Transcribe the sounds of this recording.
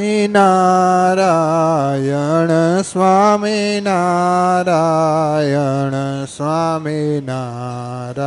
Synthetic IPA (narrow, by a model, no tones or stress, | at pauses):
inaɾa | jɐɳsʋaːminaɾajɐəɳsʋaːmina | ɾa